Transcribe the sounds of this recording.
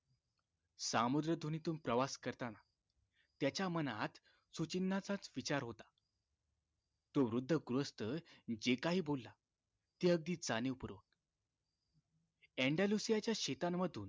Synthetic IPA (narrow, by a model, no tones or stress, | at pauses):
samud̪ɾəd̪ʱunit̪uːnpɾəʋaskəɾt̪ana | t̪jat͡ɕjamənat̪ | sut͡ɕinːat͡sat͡sʋit͡ɕaɾɦot̪ḁ | t̪oʋɾud̪ʱːəɡɾuəst̪əd͡ʑekaɦiːbolːa | t̪eəɡ̚d̪iːt͡sanepuɾʋə̰k̚ | ɛɳɖalusijat͡ɕjaɕet̪amːəd̪ʱuːn